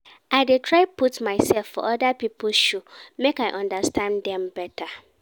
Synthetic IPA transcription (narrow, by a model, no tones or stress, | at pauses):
aɪdetʰɹaɪpʰutmaɪsɛlfːɔ̰ʔɔdapipʰlʃumekaɪʔɔ̃ndastʰãndɛ̃mbɛtʰa